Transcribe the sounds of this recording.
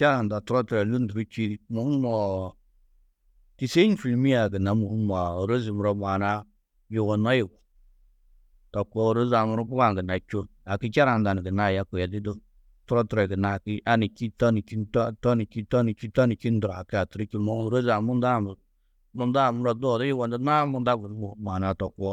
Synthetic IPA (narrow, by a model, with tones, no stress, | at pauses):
t͡ʃa˦ɾa˨n˨da˨tu˦ɾɔ˦tɾɛ˨nu˦n˦du˨ɾi˦t͡ʃi˦mo˨˦mɔ˨ | ti˨se˦n˦fi˨lmi˦a˨ɡi˨na˨mu˨˦ma˨o˨ɾo˦zi˨mu˨ɾo˦m˨a˨na˦ | ji˨wo˨na˦ji˨ɡu˨ | tɔ˨ko˦o˨ɾo˦za˨mu˦ɾɔ˦pu˦ka˦˨ɡna˨t͡ʃo˦ | a˨ki˦t͡ʃa˦ɾa˨nda˨ni˨ɡi˨na˦˨ja˦ku˨ja˨di˦do˦ | tu˦ɾɔ˦tu˦ɾe˨ɡi˨na˨ki˦ʔa˦ni˨t͡ʃi˦tɔ˦ni˨t͡ʃi˦ntɔ˦tɔ˦ni˨t͡ʃi˦ta˦ni˨t͡ʃi˦ta˦ni˨t͡ʃi˦n˦da˨kɪ˦a˨tu˨ɾi˦ki˦mo˦o˨ɾo˦za˨mu˦nda˦˨m˨ | mu˦nda˦˨mʊ˦ɾɔ˦du˦ɔ˨dɔ˦ji˦wɔ˨nda˦na˦mu˦˨nda˦ɡu˨n˦u˨˦ma˨na˨tɔ˨kʷɔ˦